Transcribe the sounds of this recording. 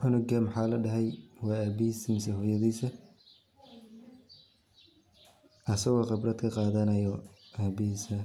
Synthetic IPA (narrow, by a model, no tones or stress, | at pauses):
ħʊnɔɡamħɑːlɐɖɐɦɛjwɑːaːbɪhiːsɐmɪsɛɦɔːjɐðiːsɐ | ɐsɐɣɔqɪbrɐd̪kʰɐqɑːðɐnɐjɔʔaːbɪhiːsɐ